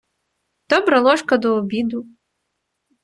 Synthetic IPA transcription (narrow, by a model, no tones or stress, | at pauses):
d̪̥ɔbɾɐlˠɔʂkɐd̪ɔːbʲid̪u